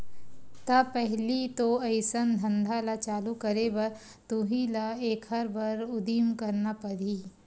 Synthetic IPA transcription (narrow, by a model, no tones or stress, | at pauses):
t̪apɛɦlit̪oɐɪsənd̪ʱɐ̃nd̪ʱalat͡ʃaːlukɐɾebɐɾ | t̪uɦilaeːkhɐɾbʱɐɾʊd̪iːmkɐɾnapɐɽiː